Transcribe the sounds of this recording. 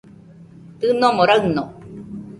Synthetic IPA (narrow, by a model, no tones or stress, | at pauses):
t̪ɯnomoɾaɣno